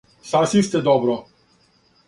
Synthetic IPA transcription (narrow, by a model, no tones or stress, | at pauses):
sasist̪ɛd̪ɔbɾɔ